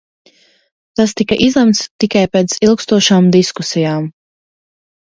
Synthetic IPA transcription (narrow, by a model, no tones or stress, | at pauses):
t̪ast̪ikaʔizlˠɛmt̪st̪ikajpeːt̪silˠkst̪uɔʃaːmd̪iskusijaːm